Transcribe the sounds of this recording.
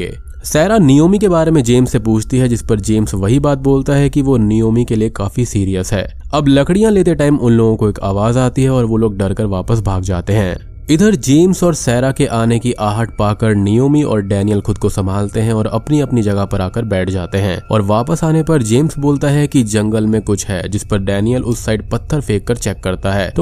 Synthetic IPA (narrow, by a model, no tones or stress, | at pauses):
sɛːɾanijoːmikebaːɾemẽd͡ʒeːmsːepuːt͡ʃʰt̪iɦɛd͡ʒɪspɐɾd͡ʒeːmsʋɐɦibaːt̪̚boːlt̪aɦɛkiʋonijoːmikeliekaːfisiːɾijəsɦɛ̰ːɐblɐkɽijãleːt̪̬eʈaːɪmʊ̃nloːɡõkoeːka̰ːʋaːzaːt̪iɦɛɔːɾʋoloːɡ̚ɖɐɾkəɾʋaːpəsbʱaːɡd͡ʒa̰ːt̪eɦɛ̃ː | ɪd̪ʱəɾd͡ʒeːmsɔːɾsɛːɾakeʔaːnekiʔʔaːɦəʈ̚ʰpaːkəɾnijoːmiɔ̰ːɾɖɛːnijəlxʊd̪̚kosɐmbʱaːlt̪eɦɛ̃ɔːɾɐ̰pniɐpnid͡ʒɐɡəpɐɾaːkəɾbɛːʈʰd͡ʒaːt̪eɦɛ̃ːɔːɾʋaːpəsaːnepɐɾd͡ʒeːmsboːlt̪aɦɛkid͡ʒɐ̃ŋɡəlmẽkʊt͡ʃʰɦɛ̰ːd͡ʒɪspɐɾɖɛːnijəlʔʊsːaːɪɖ̚pɐt̪ʰːəɾfʰeːkːɐɾt͡ʃɛːkːɐɾt̪aɦɛ̰ːt̪oː